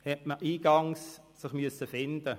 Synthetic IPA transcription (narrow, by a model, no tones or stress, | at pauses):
hɛtməʔiːɡ̥ɑŋs | sɪχmyəsəfɪnd̥̪ə